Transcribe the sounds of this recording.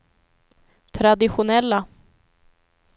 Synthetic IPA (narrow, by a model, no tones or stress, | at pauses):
t̪ʰɾad̪ɪɧʊnɛlːa